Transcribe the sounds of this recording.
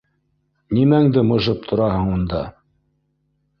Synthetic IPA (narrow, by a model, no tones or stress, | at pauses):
nimæŋd̪ɘmɤ̆ʒɤp̚t̪ʰŏɾɑhɤɴund̪ɑ